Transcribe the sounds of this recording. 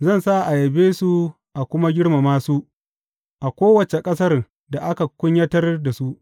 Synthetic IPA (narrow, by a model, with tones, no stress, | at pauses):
zɐ˦˨nsa˦ʔa˨jɐ˨beː˦su˦ | ʔa˨kʷʊ˦ma˦ɡʲɪ˦ɽma˨maː˦su˦ʔ | ʔa˨kʷoː˦wɐ˨t͡ʃe˨kʼɐ˦sɐ˦r | da˨ʔa˦ka˨kʷʊ˦ɲjɐ˦tɐ˦rda˨su˦ʔ